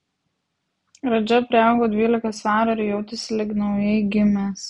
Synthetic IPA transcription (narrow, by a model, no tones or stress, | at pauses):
ɾɐd͡ʒʲɛpʲɾʲɪɑˑʊɡoːd̪ʲʋʲiːlʲɪkɐsʋɑːɾɐɾʲʊjɛʊt̪ʲɪsʲɪlʲɪknɐʊjɛɪɡʲɪmʲeːs